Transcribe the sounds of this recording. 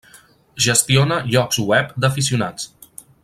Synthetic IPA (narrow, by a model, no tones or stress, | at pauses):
ʒəst̪ionəʎɔkzwɛpd̪əfis̬iuna̰t͡s